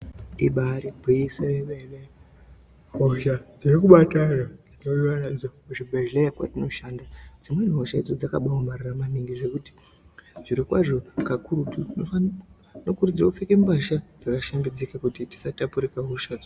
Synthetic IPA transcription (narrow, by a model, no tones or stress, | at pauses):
ɗiɓaɾibʱiiseeɓele | ɦoʃad͡zirikuɓatanainoiwanad͡zouʐibʱeʒlejakwa̰tino̞ʃaːndad͡zimwen̤ɦoʃaid͡zo̞d͡zakaɓawomariramaniŋɡiʐe̞kuti̥ | ʐiɾikwaʐo̞kakuɾutunoa | nokurud͡zokufekembaʃad͡zakaʃambid͡zikakutiti̥satapuɾikaɦoʃad͡z